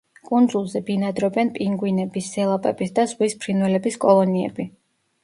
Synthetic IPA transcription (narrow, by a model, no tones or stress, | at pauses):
kʼund̪zulˠzɛbinad̪ɾɔbɛnpʼiŋɡwinɛbisːɛlˠapʼɛbisd̪azʁwispʰɾinwɛlɛbiskʼɔlˠɔniɛ̰bi